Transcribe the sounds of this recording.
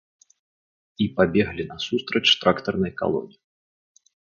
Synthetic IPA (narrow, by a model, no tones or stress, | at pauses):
ipabʲɛɣlʲinɐsust̪ɾɐt͡ʃt̪ɾakt̪ɐrnɐjka̰lˠɔ̰nʲi